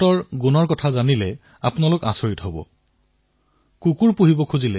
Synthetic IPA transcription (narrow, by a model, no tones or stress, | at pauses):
ɔɹɡunɔɹkɔtʰazanilɛ | a̰pʊnalʊka̰soɹitɦobɔ̰ | kukuɹpuɦibɔkʰuzilɛ